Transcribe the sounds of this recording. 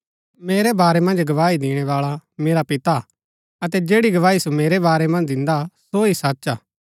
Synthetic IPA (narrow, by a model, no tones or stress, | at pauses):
meːɾɛbaːɾɛmɐ̃nd͡ʒɡɐʋaːid̪ɪːɽ̃ɛʋaːɭameːɾapɪt̪a | ɐt̪ɛd͡ʒeːɽiɡɐʋaːisomeːɾɛbaːɾɛmɐ̃nd͡ʒd̪ɪ̃nd̪asoisatːʃaː